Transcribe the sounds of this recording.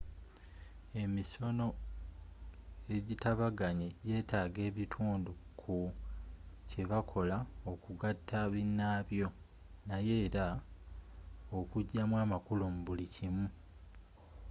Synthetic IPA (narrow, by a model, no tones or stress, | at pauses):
e̞miso̞no̞ | e̞ɟitaβaɡaɲeje̞ːtaːɡe̞ːβitʰuːndukʰu | ce̞βakʰo̞lao̞kuɡatːaβinːaːβjo̞ | naje̞ːɾa | okuɟːamwaːmakulumuβulicimu